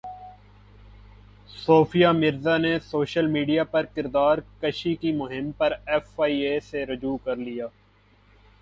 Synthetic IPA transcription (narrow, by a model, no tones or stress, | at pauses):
soːfijamɪɾzanesoːʃəlmiːɖijapɐɾkɪɾd̪aːɾkəʃikimʊɦɪmpɐɾɛːfaːiːeseɾʊd͡ʒuːkɐɾlijaː